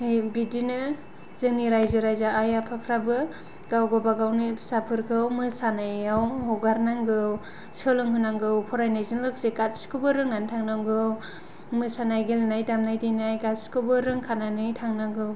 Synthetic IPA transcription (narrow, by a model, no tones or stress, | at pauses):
hɯjbidinɯ | zɯŋniɾajzɯɾajzaːjapʰapʰɾabɯ | ɡawɡabaɡawnisapʰɯɾkʰɯwmɯsanajawhɔɡaɾnaŋɡɯw | sɯlɯŋhɯnaŋɡɯwpʰɔɾajnajzɯnlɯkʰdikat̚skʰɯbɯɾɯŋːantʰaŋnaŋɡɯw | mɯsanajɡelnajdamnajdijnajɡatskʰɯbɯɾɯŋkʰananɯjtʰaŋnaŋɡɯw